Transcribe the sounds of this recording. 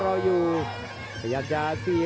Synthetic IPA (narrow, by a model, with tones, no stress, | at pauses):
ɾɔ˧ju˧ | a˨ja˨d͡ʒasi˧